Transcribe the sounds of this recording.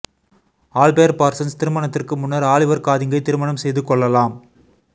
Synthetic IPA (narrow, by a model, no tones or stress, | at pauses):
aːlpeːɐɾpaːɾsɐnst̪ɪɾɯmɐɳɐt̪ːɪrkɯmʊnːɐɾaːɭɪʋɐɾkaːðɪŋɡɐɪt̪ɪɾɯmɐɳɐmsɛjðɯkːɔɭːɐlaːm